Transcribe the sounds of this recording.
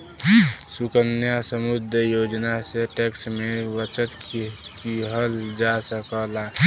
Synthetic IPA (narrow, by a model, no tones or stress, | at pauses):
sukənjasəmud̪ʱəjod͡ʒnaseʈeksmẽʋət͡ʃət̪kiɦəld͡ʒasəkəla